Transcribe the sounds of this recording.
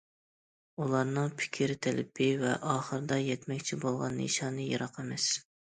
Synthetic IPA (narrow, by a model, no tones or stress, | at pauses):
ulˠɑɾnɨŋpʰɪ̥kʲʰiɾt̪ʰɛlɪ̰pʰɪvɛ̰ʔɑːχəɾɨd̪ɑjɛt̪mɛkʲt͡ʃʰibolˠʁɑnːḛʃɑːnɨjɑɾɑqemɛs